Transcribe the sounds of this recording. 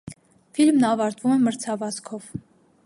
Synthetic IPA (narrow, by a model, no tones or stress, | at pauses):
filmnɑvɑɾt̪vumɛməɾt͡sʰɑvɑskʰɔv